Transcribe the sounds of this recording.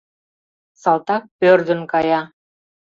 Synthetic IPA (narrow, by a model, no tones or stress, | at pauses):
sɑlˠt̪ɑk̚pørd̪ə̆nkɑjɑ